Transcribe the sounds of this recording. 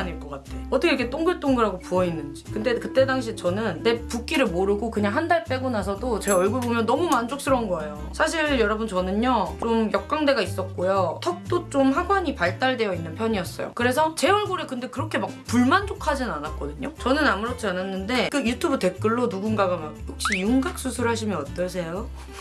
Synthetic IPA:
aniɭk͈ʌk͈atʰeʌt͈ʌkʰeikʰe̞t͈oŋɡɯɭt͈oŋɡɯɾaɡopuʌinːɯnd͡ʑikɯnde̞kɯt͈e̞daŋɕ̬ʰit͡ɕʌnɯnːe̞puk͈iɾɯɭmoɾɯɡokɯɲaŋɦandaɭp͈e̞ɡonas̬ʰʌdot͡ɕeʌɭɡuɾbomjʌnːʌmumand͡ʑok̚s͈ʰɯɾʌnɡʌejosʰaɕ̬ʰiɭjʌɾʌbɯnt͡ɕʌnɯɲjot͡ɕomjʌk̚k͈aŋde̞ɡais͈ʌk͈ojotʰʌk̚t͈ot͡ɕ͈omɦaɡwaɲipaɭt͈aɭde̞jʌinːɯnpʰjʌɲiʌs͈ʌ̰jo̰kɯɾe̞s̬ʰʌt͡ɕe̞ʌɭɡuɾekɯnde̞kɯɾʌkʰe̞mak̚puɭmand͡ʑokʰad͡ʑinnanat̚k͈ʌdɯɲot͡ɕʌnɯnamuɾʌt͡ɕʰiananːɯnde̞kɯjutʰubɯte̞k͈ɯɭːonuɡunɡaɡamak̚jok̚ɕ͈ijuŋɡak̚s͈ʰusʰuɾɯɭhaɕ̬ʰimjʌnʌt͈ʌsʰe̞jo

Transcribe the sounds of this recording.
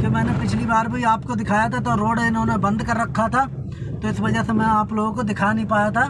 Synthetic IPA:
t̪emɛ̃ːnepɪt͡ʃʰlibaːɾbʱəiaːpkod̪ɪkʰaːjat̪ʰat̪oɾoːɽɪnõːnebə̃nd̪kəɾːɐkʰːat̪ʰaː | t̪oɪsʋɐd͡ʒɛsemɛ̃aːploːɡõkod̪ɪkʰaːnəɦĩpaːjat̪ʰaː

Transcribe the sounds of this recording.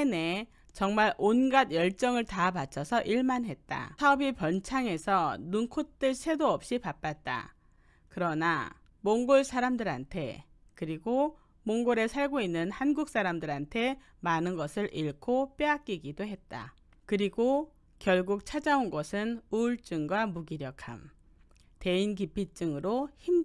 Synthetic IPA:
ene | t͡ɕʌŋmaɾonɡadjʌɭt͡ɕ͈ʌŋɯɭtapat͡ɕʰʌsʰʌʔiɭmanɦe̞t̚t͈a̰sʰaʌbipʌnt͡ɕʰaŋe̞sʰʌnunkʰot̚t͈ɯɭsʰedoʌp̚ɕ͈ipap͈at̚t͈a̰ | kɯɾʌna̰ | moŋɡoɭsʰaɾamdɯɾantʰe̞̰ | kɯɾiɡo | moŋɡoɾe̞sʰaɭɡoinːɯnhanɡuk̚s͈aɾamdɯɾantʰe̞ | manɯnɡʌsʰɯɾiɭkʰop͈eak̚k͈iɡidoɦe̞t̚t͈a̰ | kɯɾiɡo | kjʌɭɡuk̚t͡ɕʰad͡ʑaunɡʌsʰɯnuɭt͡ɕ͈ɯŋɡwamuɡiɾjʌkʰa̰m | te̞inkipʰit͡ɕ͈ɯŋɯɾoçim

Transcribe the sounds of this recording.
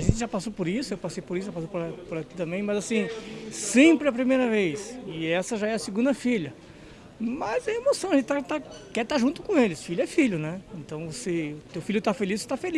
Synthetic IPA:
aʒẽnt̪ɪʒapasopoɾisʊewpasejpoɾisʊʒapasowpoɾpoɾaki̥t̪ɐ̃mbẽj̃mɐzasĩsẽpɾɪɐp̬ɾimejɾɐvejsɪɛsɐʒaɛɐsɪɡũnd̪ɐfiʎɐ | mɐzẽemosɐ̃w̃ɐʒẽt̪ɪt̪at̪akɛɾt̪aʒũt̪ʊ̥kõelɪsfiljʊɛfiʎʊnɛẽnt̪ɐ̃w̃voseʊt̪ewfiʎjʊt̪afelisse̥t̪afeli

